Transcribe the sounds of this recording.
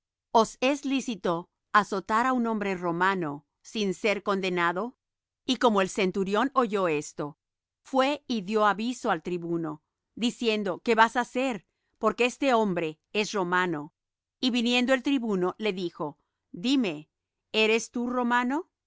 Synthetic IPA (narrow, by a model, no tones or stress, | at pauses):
oseslisit̪o | aso̞t̪aɾaunõ̞mbɾe̞ro̞mano̞ | sinse̞ɾko̞nd̪e̞naðo̞ | iko̞mo̞else̞nt̪uɾjo̞no̞ʝo̞e̞st̪o̞ | fwe̞iðjo̞aβiso̞alt̪ɾiβuno̞ | ðisje̞nd̪o̞ke̞βasase̞ɾ | po̞ɾkeest̪e̞ombɾe̞ | esro̞mano̞ | iβinje̞nd̪oe̞lt̪ɾiβuno̞le̞ðixo̞ | d̪ime̞ | e̞ɾe̞st̪uro̞mano̞